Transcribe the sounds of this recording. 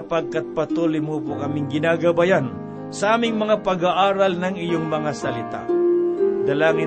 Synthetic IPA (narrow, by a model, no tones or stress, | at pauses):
paɡ̚kat̪̚pɐt̪ulɪmupʊkɐmɪŋɡɪnaːɡɐbajan | sɐʔaːmɪŋmɐŋapɐɡaʔaːɾalnɐŋɪjoŋmɐŋasɐlɪt̪a̰ | d̪ɐlaːŋɪ